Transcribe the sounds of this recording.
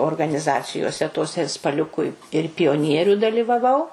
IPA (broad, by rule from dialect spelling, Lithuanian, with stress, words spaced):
oːrɡɐnʲɪˈzɑːt͡sʲɪjoːsʲɛ toːˈsʲɛ ɪr spɐˈlʲʊkʊ ɪ ɪr pʲɪjoːˈnʲiɛrʲʊ dɐlʲɪʋɐˈʋɐʊ